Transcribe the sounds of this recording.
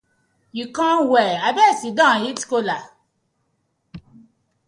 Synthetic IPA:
ikãwɛabɛsidãjiti̥kola

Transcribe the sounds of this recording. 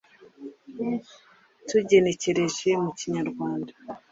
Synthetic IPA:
tuɟe̞ne̞ce̞ɾe̞ʒe̞muciɲaɾɡwaːndḁ

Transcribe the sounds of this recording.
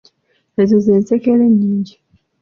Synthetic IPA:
ezozeːnsekeleɲːiːɲɟi

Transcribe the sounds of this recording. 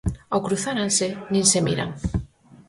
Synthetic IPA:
awkɾuθaɾansenĩnsemḭɾa̰ŋ

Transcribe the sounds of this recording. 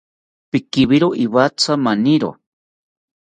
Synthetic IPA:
pikiβiɾoʔiβat͡sʰamaniɾo̰

